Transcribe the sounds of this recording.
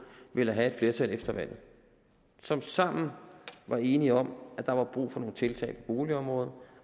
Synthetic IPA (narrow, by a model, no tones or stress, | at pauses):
ʋe̝læɦæe̝d̥fle̝ɐt͡sʰælefd̥ɐʋæl̰ð̩ˠ | sɒ̽msɑ̈m̰n̩ʋɑ̈e̝ːniɒ̽mæd̥ɑ̈ʋɑ̈b̥ʁṵːfɒ̽no̝ːn̩t͡sʰe̝lt͡sʰɛ̰ːɪpʰɒ̽b̥o̝ːliɒ̽mʁɔ̽ːð̩ˠ